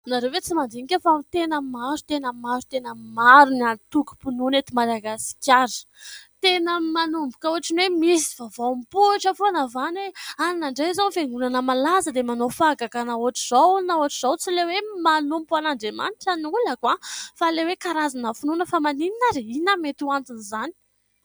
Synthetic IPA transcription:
naɾevet͡simand̪iɲkʲafat̪enəmaɾu̥t̪enəmaɾu̥t̪enəmaɾunant̪uku̥pununet̪imalaɡasi̥kʲaɾi̥ | t̪enəmanumbukʲəuaʈ͡ʂinwemisi̥vavampuʈ͡ʂəfoanavaneannaɳɖ͡ʐezanfeŋɡunanəmalazəd̪emanofaɡakanauaʈ͡ʂiz̥awnauaʈ͡ʂiz̥awt͡silewemanumpanaɳɖ͡ʐema̰niʈ͡ʂanuləkwafalewekaɾazanəfununəfamanininaɾeinəmet̪uant̪inizani̥

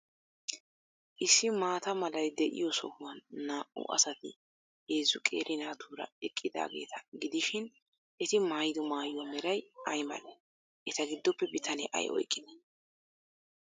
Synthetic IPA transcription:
ʔɪsːɪmaːt̪ɐmɐlɐjd̪ɛʔɪ̰jɔsɔ̰hʊwɐnːaːʔʊ̰ʔɐ̰sɐt̪ɪ | eːzʊkʼḛːɾʔɪnaːt̪uːɾɐ̰ɛkʼːɪd̪a̰ːɡe̞̰ːt̪ɐ̥ɡɪd̪ɪʃɪn | ʔɛt̪ɪmaːjd̪ɔmaːjɔmɛɾɐjɐjmɐ̰lɛ | ʔɛt̪ɐɡɪd̪ːɔpːɛbɪt̪ɐnɛ̰ʔɐ̰jʔɔ̰jkʼːɪd̪ɛ

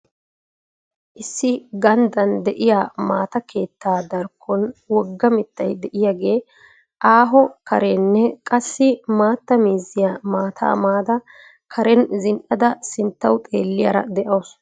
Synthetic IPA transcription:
ʔɪsːɪɡɐnd̪ɐnd̪ɛʔɪjaːmaːt̪ɐke̞ːt̪ːaːd̪ɐɾkʰːɔnwɔɡːɐmɪt̪ːɐjd̪ɛʔɪjaɡe̞ː | ʔaːɦɔkɐɾɛnːɛkʼɐsːɪmaːt̪ːɐmiːzɪjaːmaːt̪ʰa̰ːmaːd̪ɐ | kʰɐɾɛnzɪnʔɐd̪ɐsɪnt̪ːɐwt̪ʼe̞̰ːlːɪjɐɾɐ̰d̪ɛʔɐːs

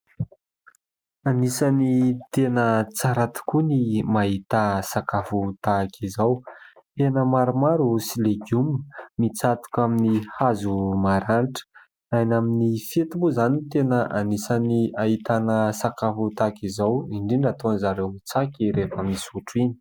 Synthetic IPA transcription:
anisanit̪enət͡saɾat̪i̥kunimaɦit̪asakafut̪akʰizaw | t̪enəmaɾumaɾusileɡummit͡sat̪u̥kʲaminihazumaɾanʈ͡ʂə̥ | ajnaminifet̪umbuzanit̪enəʔanisaniaɦit̪anəsakafut̪akizawiɳɖ͡ʐinat̪onizaɾewt͡sakʲiɾefəmisuʈ͡ʂini̥

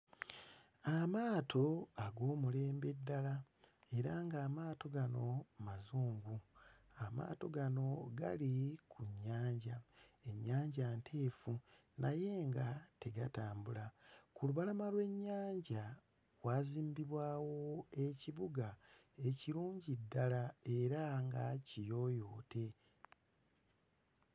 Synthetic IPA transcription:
amaːtʰo̞aɡo̞ːmule̞ːmbe̞dːala | e̞ɾaŋɡaːmaːto̞ɡano̞mazuːŋɡu | ama̰ːto̞ɡano̞ɡa̰likʰuɲːaːɲɟae̞ɲːaːɲɟantʰe̞ːfu | nʔaje̞ːŋɡate̞ɡataːmbulakuluβalamalwe̞ɲːaːɲɟa | kwaːziːmbiβwaːwoeciβuɡa | e̞ciɾuːɲɟidːalae̞ɾaŋɡacijo̞ːjo̞ːtʰe̞

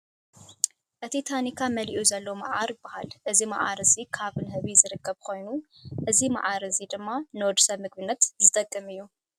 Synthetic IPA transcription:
ʔɨt̪ʰit̪ʰanikʰamɐliʔuzɐlːomaʔaɾbaha̰lʔɨzima̰ʔa̰ɾɨzikʰaβɨnɦɨβizɨɾɨkːɐβkʰo̞jnu | ʔɨzima̰ʕaɾɨzid̪ɨmːanwɔd̪usɐβmɨɡ̚bɨnːɐt̪zɨt̪ʼɐkʼːɨmɨjːu

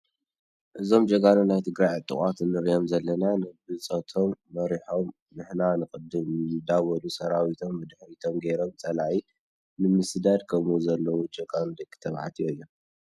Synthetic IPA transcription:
ʔɨzo̞md͡ʒɐɡanunajt̪ʰɨɡɾajʕɨt̪ʼːɨ̰χʼat̪nɨɾjomzɐlːɐnanɨbɨt͡sʼɐt̪ʰomːɐɾiħo̞m | nɨħnanɨkʼɨd̪ɨmɨd̪awɐlusɐɾawit̪ʰo̞mːɨd̪ħɾit̪ʰo̞mɡejɾo̞mt͡sʼɐlai | nɨmɨsd̪ad̪kʰɐmuzɐlːɐwud͡ʒɐɡand̪ɐkʼːɨ̥t̪ʰɐβħa̰t̪ʰijoɨjːo

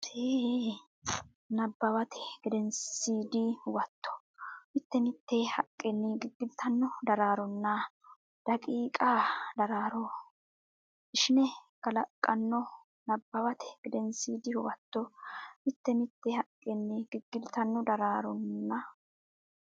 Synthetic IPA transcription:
eː | nɐbːɐwɐt̪ʰɛ̥ɡ̥ɪd̪ɛnsiːd̪ɪhʊwɐt̪ːɔ̥ | mɪt̪ːɛmɪt̪ːehɐkʼːɛnːɪɡɪɡːɪd̪ɪt̪ʰɐnːɔd̪ɐɾaːɾɔnːɐ | d̪̥ɐkʼiːkʼaːd̪ɐɾaːɾɔ | ʔɪʃɪnɛkɐlɐkʼːɐnːɔ | nɐbːɐwɐt̪ɛ̥ɡ̥ɪd̪ɛnsiːd̪ɪhʊwɐt̪ːɔmɪt̪ːɛmɪt̪ːɛhɐkʼːɛnːɪɡɪɡːɪd̪ɪt̪ɐnːɔd̪ɐɾaːɾɔnːɐ

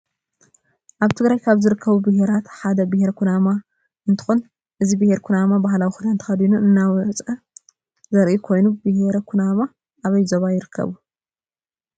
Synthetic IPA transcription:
ʔaβt̪ʰɨɡɾajkʰaβzɨɾɨkʰːɐβubɨɦeɾat̪ħad̪ɐbɨheɾɐkʰunama | ɨnt̪ʰɨ̥xon | ʔɨzibɨheɾkʰunamabaɦlawixud̪ant̪ɨ̥xɐd̪inuɨnːawɔt͡sʼɐ | zɐɾʔikʰo̞jnubɨheɾɐkʰunama | ʔaβɐjzoβajɪɾɨkʰːɐ̰βu

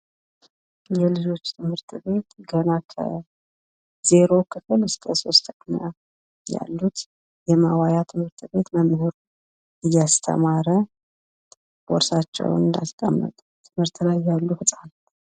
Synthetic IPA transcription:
jɛlɨd͡ʒo̞t͡ʃːt̪ʰɨmhɨɾt̪ʰʼbe̞t̪ɡənakʰə̰ | z̥e̞ɾo̞kʰɨfɨlskʰə̰so̞st̪ʰəkʼɲa | ja̰lːut̪ | jɛmawajat̪ʰɨmhɨɾt̪ʼbe̞t̪məmɨhuɾ | ʔɨjːast̪ʰə̰maɾə | bɔɾsat͡ʃːɛ̰w̰nɨnd̪a̰st̪ʼəmːə̰t̪ʼ | t̪ʰɨmhɨɾt̪ʰlajːalːuhɨsʼan

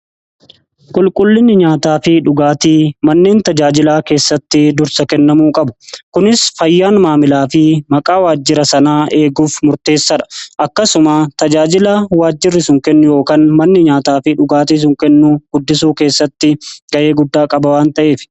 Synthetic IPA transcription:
kʼʊlkʼʊlːɪnːɪɲaːt̪aːfɪᶑʊɡaːt̪iːmɐnːe̞ːnt̪ɐd͡ʒaːd͡ʒɪlaːke̞ːsːɐt̪ːɪd̪ʊɾsɐkɛnːɐmuːkʼɐbʊ̥kʊnɪsfɐjːaːnmaːmɪlaːfɪmɐkʼaːwaːd͡ʒːɪɾɐsɐnaːʔe̞ːɡuːfmʊɾt̪e̞ːsːɐᶑɐ̥ʔɐkːɐsʊmaːt̪ɐd͡ʒaːd͡ʒɪlaːwaːd͡ʒːɪrːɪsʊŋkɛnːʊjo̞ːkaːnmɐnːɪɲaːt̪aːfɪᶑʊɡaːt̪iːs̬ʊŋkɛnːuɡ̥ʊd̪ːɪsuːke̞ːsːɐt̪ːɪɡ̥ɐʔe̞ːɡʊd̪ːaːkʼɐbɐwaːnt̪ɐʔe̞ːfɪ̥

